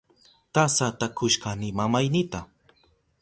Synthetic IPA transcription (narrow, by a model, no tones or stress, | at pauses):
t̪asat̪akʰʊʃkanɪmamajnɪt̪a